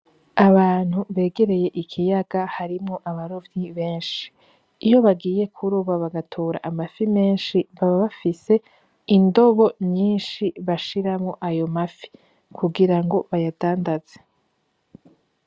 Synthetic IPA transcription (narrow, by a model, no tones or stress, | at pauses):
aβaːn̥huβe̞ːɡe̞ɾe̞je̞ʔikʰijaɡ̥ahaɾimŋoʔaβaɾovɲiβe̞ːnʃi̥ː | jo̞βaɡiːje̞kʰuɾuːβaβaɡatʰoːɾa̰ʔamafime̞ːnʃiβaβaβafise̞ | indo̞βo̞ɲiːnʃiβaʃiɾamŋoʔajo̞mafi̥ | kʰuɡiɾaŋɡo̞βajad̥aːndaz̥e